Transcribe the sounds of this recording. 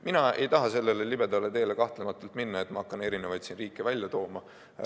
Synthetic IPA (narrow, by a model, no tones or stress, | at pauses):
minɑe̞̰jt̪ɑɦɑse̞lːe̞le̞libe̞d̪ɑlet̪e̞ːlekɑht̪lemɑt̪ːˑult̪minːɑe̞t̪mɑɑkːˑɑne̞ɾinevɑjd̪sinriːkːˑevælʲjɑt̪o̞ːmɑ